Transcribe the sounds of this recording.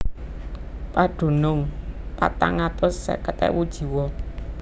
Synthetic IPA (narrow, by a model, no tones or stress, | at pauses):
paɖ̥o̤nʊŋpa̰t̪aŋat̪ʊsːɛ̰kət̪ɛ̰wud̥ʒ̥i̤wɔ